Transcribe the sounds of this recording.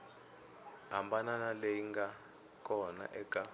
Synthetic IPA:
ambananaleiŋɡa | kʼɔna̰ʔɛkʼa

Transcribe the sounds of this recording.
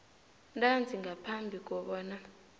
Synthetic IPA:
ntʼand͡zʱiŋɡʱapʰambʱik̬ʼɔɓɔːna

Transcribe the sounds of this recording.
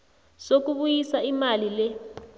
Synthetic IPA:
sok̬uɓujisaimalilɛ

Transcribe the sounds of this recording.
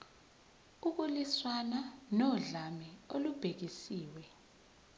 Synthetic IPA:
uk̬uliswananɔɮamɛolub̥ʱek̬isiːwɛ

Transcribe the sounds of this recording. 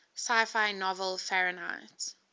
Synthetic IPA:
saɪfaɪnɔvəlfɛɹəna̰ɪt

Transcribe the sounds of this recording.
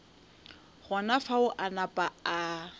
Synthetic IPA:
ɣɔnafaʊʔanapʼaa

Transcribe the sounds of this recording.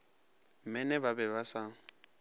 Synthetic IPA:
m̩mɛnɛbabɛβasa

